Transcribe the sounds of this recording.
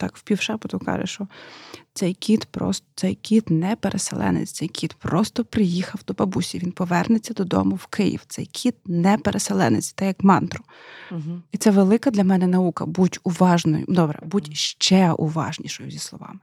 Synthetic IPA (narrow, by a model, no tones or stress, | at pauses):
t̪ɑkwpʲiwʃɑpʊt̪ʊkɑ̰ʒḛʃt͡ʃɔt̪ɛjkʲit̪pɾɔ̰st̪t̪sɛjkʲit̪nɛpeɾʔeselˠɛ̰nḛt͡sʲt͡s̪sɛjkʲʰit̪pɾɔst̪ɔpɾɪjixɐwd̪ɔpɐbusʲiʋʲinpɔʋɛrnet͡sʲːɐd̪ɔd̪ɔ̰mʊwkʰɪjḭwt̪sɛjkʲʰid̪̚nɛpeɾʔeselˠɛ̰nɪt͡sʲt̪ɛjɐkmɑnt̪ɾʊ | it̪sɛʋelˠɪkɐd̪lʲɐmɛnɛnɐukɐbutʲʊʋɑʒnɔ̰jʊ̰d̪ɔbɾɛ̰butʲʃt͡ʃɛʔṵʋɑ̰ʒnʲiʃɔjʊzʲislˠɔʋɑ̰mɪ